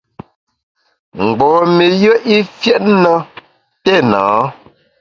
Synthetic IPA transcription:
ŋ͡m̩˨ɡ͡bɔː˨me˨jə˦ʔi˦fjɛ˦tnə˦ | tɛ˦˨nãː˨˦

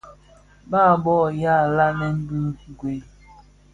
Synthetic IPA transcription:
baː˦˨bɔ˦˨ja˦˨la˦nɛ˦m̩˦bʉ˦˨ɡwe˨

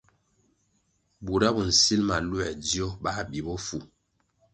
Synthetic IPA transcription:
bu˨ɾa˦bɔ˨n̩˨si˦lma˨lwɛ˨di˦ɔ˦ba˦˨bi˨bɔ˦fu˨

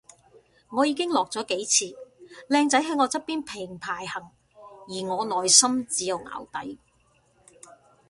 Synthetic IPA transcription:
ŋɔː˨˧jiː˨˧kɪ˥ŋlɔː˨k̚t͡sɔː˨˥ke˨˥jt͡sʰiː˧lɛː˧ŋt͡sɐ˨˥jɦɐ˨˥jŋɔː˨˧t͡sɐ˥t̚pːiː˥npʰɪ˨˩ŋpʰaː˨˩jhɐ˨˩ŋ | jiː˨˩ŋɔː˨˧nɔː˨jsɐ˥mt͡siː˨˥jɐ˨wŋa̰ː˨˩wt̪ɐ˨˥j

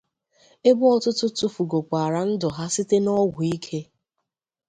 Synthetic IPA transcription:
e˦bʊ˦ɔ˦tʊ˦tʊ˦tʊ˨fu˨ɡo˨k͡pa˨ɾa˦n̩˦dʊ˨ɦa˦si˦te˦nɔ˦wɡʊ˨i˦kʰe˦

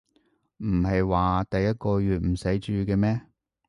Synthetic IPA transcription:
m̩˨˩ɦɐ˨jwaː˨t̪ɐ˨jːɐ˥t̚kɔː˧ɥyː˨t̚m̩˨˩sɐ˨˥jt͡ʃyː˧kɛː˧mɛː˥

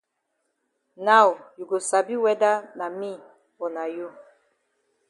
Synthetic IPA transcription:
na˦˨wju˨ɡo˨sa˨bi˦wɛ˦da˦na˨mi˦˨ | ɔ˨na˨ju˦˨

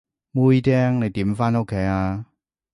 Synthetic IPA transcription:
mu˦˥jt̪ɛː˥ŋne˨˧jt̪iː˨˥mfaː˥no˧˥kʰe˨˦jaː˧

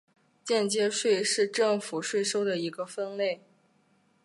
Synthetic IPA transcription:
t͡ɕjɛ˥˧nt͡ɕjɛ˥ʂwe˥˧ɪʂɻ̩˥˧ʈ͡ʂɤ˥˩ŋfu˨˩ʂwe˥˩ɪʂo˥ʊd̪ə˨i˧˥ɡə˧fə˥nle˥˩ɪ

